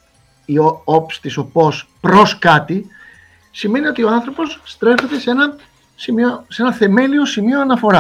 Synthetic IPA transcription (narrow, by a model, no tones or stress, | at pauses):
ioopst̪iso̞po̞spɾo̞skɐt̪i | sime̞nio̞t̪io̞ɐnθɾo̞po̞sːt̪ɾe̞fe̞t̪e̞se̞nɐ | simioseenɐθe̞me̞lio̞simio̞ɐnɐfo̞ɾɐ